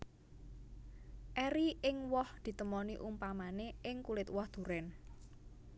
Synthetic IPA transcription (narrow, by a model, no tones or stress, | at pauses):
ʔɛɾiɪŋwɔhd̪̥i̤t̪əmɔniʔumpamaneʔɪŋkulɪt̪wɔhd̪̥ṳɾɛn